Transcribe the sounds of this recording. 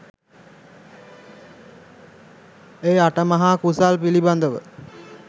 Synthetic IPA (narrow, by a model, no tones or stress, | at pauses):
eːaʈəmaɦaːkusalpiliband̪əʋə̰